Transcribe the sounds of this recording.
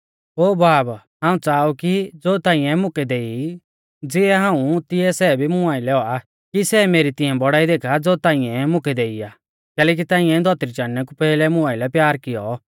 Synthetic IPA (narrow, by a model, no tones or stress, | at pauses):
oːbaːb | ɦãːũt͡saːukid͡zoːt̪ãːɪ̃jɛ̃mʊkɛd̪eːi | d͡zɪɛɦãːũt̪ɪɛsɛːbʱimʊaːɪlɛɦɔa | kisɛmeːɾit̪ɪɛ̃bɔɽaːid̪eːkʰad͡zoːt̪ãːɪ̃ɛ̃mʊ̃kɛd̪eːijaː | kɛːlɛːk̬it̪ãːɪ̃ɛ̃d̪ʱɔt̪ɾit͡ʃaːnːɛk̬upɛːlɛmʊ̃aːɪlɛpjaːɾkɪjɔ